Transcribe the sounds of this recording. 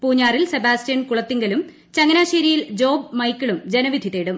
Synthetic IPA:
puːɲːaːrilsebaːstɐnkuɭɐt̪ːiŋɡɐlum | t͡ɕɐŋɡɐnaːɕeːɾijild͡ʑo̞ːbmɐjkʲːiɭumd͡ʑe̞nɐʋid̪ʱjit̪ːeːɽum

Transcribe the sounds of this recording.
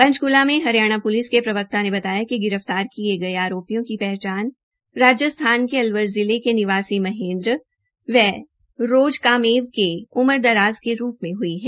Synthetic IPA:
pɐ̃ɲt͡ʃkʊlamẽɦɐɾijaːɽ̃apʊlɪskepɾɐbək̚t̪anebɐt̪aːjakiɡɪɾəft̪aːɾkieɡɐeaːɾoːpijõkipɛɦt͡ʃaːn | ɾaːd͡ʒjəst̪ʰaːnkeɐlʋəɾzɪlekenɪʋaːsimɐɦẽːnd̪ɾ | ʋɛ | ɾoːd͡ʒkaːmeːʋkeʊməɾd̪ɐɾaːzkeɾuːpmẽɦʊiɦɛː

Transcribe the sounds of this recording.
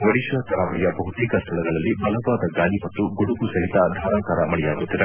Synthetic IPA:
ʋɐɽiʃɐːt̪ʰɐɾaːmɐɭɛjɐbɐɦut̪iːkɐst̪ʰɐɭɐɡɐɭɐlːibɐlɐbaːd̪ɐɡaːlimɐt̪ːuɡuɽukusɐɦit̪ad̪ʱaːɾaːkaːɾɐmɐɭɛjaːɡut̪ːid̪e

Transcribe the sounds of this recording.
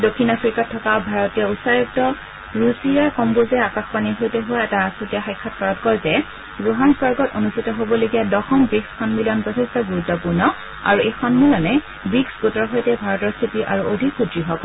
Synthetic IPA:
dokʰːinafɹikatʰːɔkabʱaɹɔtijɔusajɔk̚tɔ | ɹusijaɹkɔmbozɛakaxpaniɦojtɛɦʊaɛtasutijaxajkʰːat̚kaɹɔtkɔɹtɛ | ɹuɦansbaɹɡɔtonustʰitɔɦobɔloɡijadɔxɔmbɹiksxɔnmilɔnpɔtʰestɔɡuɹutːɔpuɹnɔ | a̰ɹuejxɔnmilɔnɛ | biksɡutɔɹɦojtɛbʱaɹɔtɔɹstʰitiʔa̰ɹuʔodʱipʰutɹiɦɔk

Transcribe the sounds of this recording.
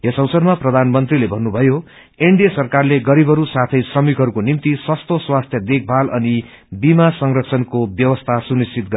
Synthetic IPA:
jʌsʌwsʌrmaprʌd̪ʱanmʌnt̪rilebʱʌnːubʱʌjo | eɳɖijʌsʌrkarleɡʌɾibʱʌɾusat̪ʰʌjsrʌmikɦʌɾukonimt̪iswʌst̪oswast̪ʰjʌd̪ek̚ʰbʱalʌni | bimasʌŋrʌksʰʌnkobjʌwʌst̪ʰasunist͡sʰit̪̚ɡʌ

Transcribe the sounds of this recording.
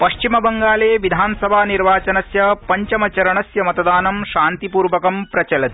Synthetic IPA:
pɐʃt͡ʃimɐbɐŋɡaːleːʋid̪ʱaːnɐsɐbʱaːniɾʋaːt͡ʃɐnɐsjɐpɐɲt͡ʃɐmɐt͡ʃɐɾɐɳɐsjɐmɐt̪ɐd̪aːnɐmʃaːnt̪ipuːɾʋɐkɐmpɾɐt͡ʃɐlɐt̪i̥

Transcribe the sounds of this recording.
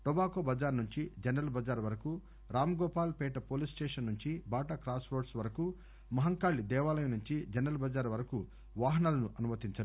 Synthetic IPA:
ʈɔbaːkoːbɐd͡ʒaːɾnuɲt͡ʃid͡ʒɛnɐlbɐd͡ʒaːɾʋɐɾɐku | ɾaːmɐɡɔːpaːlpɛːʈɐpoːlisʈɛːʂɐnːuɲt͡ʃibaːʈɐkɾaːsʋoːɖsʋɐɾɐku | mɐɦɐŋkaːɭːid̪ɛːʋaːlɐjɐnuɲt͡ʃid͡ʒɛnɾɐlbɐd͡ʒaːɾʋɐɾɐku | ʋaːɦɐnɐlɐnuʔɐnumɐt̪iɲt͡ʃɐɾu

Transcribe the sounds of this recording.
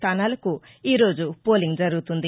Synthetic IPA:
t̪ʰanalku | iɾod͡ʒupoliŋd͡ʒɐɾut̪und̪i

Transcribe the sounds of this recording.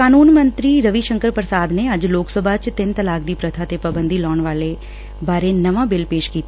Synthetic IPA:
kaːnuːnmə̃nt̪ɾiːɾəʋiʃə̃ŋkəɾpɾsaːd̪neɐd͡ʒloːksəbʱaːt͡ʃt̪ɪnt̪əlaːkd̪iːpɾət̪ʰaːt̪epəbə̃nd̪iːlɔːɳʋaːle | baːɾenɐʋãːbɪlpeːʃkiːt̪a

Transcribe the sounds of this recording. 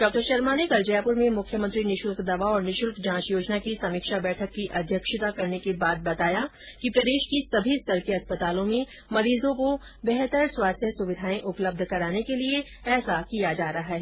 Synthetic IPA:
ɖ̥ɔːk̚ʈəɾʃɐɾmanekɐld͡ʒəjaːpʊɾmẽmʊkʰjəmə̃nt̪ɾinɪʃʊlkd̪ɐʋaɔːɾnɪʃʊlkd͡ʒãːt͡ʃjoːd͡ʒnakisɐmiːkʃabɛːʈʰəkːiʔɐd̪ʱjəkʃɪt̪akɐɾnekebaːt̪̚bɐt̪aːja | kipɾɐd̪eːʃkisɐbʱist̪ɐɾkeɐspət̪aːlõmẽ | mɐɾiːzõko | bɛɦt̪əɾswaːst̪ʰjəsʊʋɪd̪ʱaːẽʔʊpləb̚d̪ʱkɐɾaːnekelie | ɛːsakijad͡ʒaːɾaɦaɦɛ

